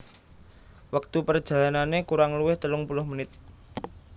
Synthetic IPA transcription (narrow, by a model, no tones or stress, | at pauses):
wək̚t̪upərd̥ʒ̥a̤lananekuɾaŋluwɪht̪əlʊŋpulʊhmənɪt̪̚